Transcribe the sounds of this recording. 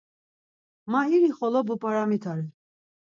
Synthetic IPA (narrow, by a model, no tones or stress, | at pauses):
maiɾiχɔlɔbupʼaɾamit̪ʰaɾɛ